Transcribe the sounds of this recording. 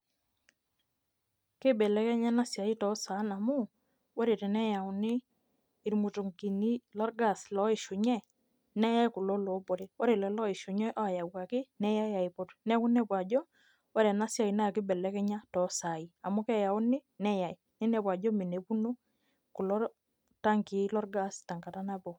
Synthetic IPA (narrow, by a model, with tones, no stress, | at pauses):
ke˦bɛ˨lɛ˦kɛ˦ɲa˦na˦sja˨i˦tɔ˨˦sa˨˦na˨mu˦ | wɔ˦ɾe˨tɛ˨nɛ˦ja˨u˨nɪː˦˨ | ɾmu˨tu˨ŋki˨ni˦lɔ˦ɾɡa˨slɔ˨˦ɪ˨ʃu˨ɲɛ˦ | nɛ˦ja˦i˦ku˨lo˦lo˨˦po˨ɾe˨wɔ˦ɾe˨lɛ˨lɔ˦ɪ˨ʃo˨ɲɛ˦ʔɔ˦˨ja˨wa˨kɪ˦nɛ˦ja˦ja˨i˨po˨tnɛ˦ku˦nɛ˦pwa˨d͡ʒɔ˦ | wɔ˦ɾɛ˨na˦sja˨i˨na˦a˨kɪ˦bɛ˨lɛ˦kɛ˦ɲa˦tɔ˨˦sa˨i˨a˨mu˦kɛ˦ja˨u˦nɪ˦nɛ˦ja˨i˨nɪ˦nɛ˨pwa˨d͡ʒɔ˦mi˨ne˨pu˦no˦ | ku˨lɔ˦ | ta˦ŋki˨˦lɔ˦ɾɡa˦˨sta˨ŋɡa˨ta˦na˦bɔ˨